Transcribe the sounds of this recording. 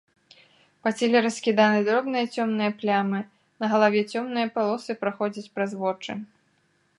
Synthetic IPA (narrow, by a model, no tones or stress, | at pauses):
pɐt͡sʲɛlʲɛɾɐsʲkʲid̪anɨd̪ɾɔbnɨjɐt͡sʲɔmnɨjɐplʲamɨ | nɐɣɐlˠavʲɛt͡sʲɔmnɨjɐpalˠɔsɨpɾaxɔd͡zʲit͡sʲpɾazvɔt͡ʂɨ̰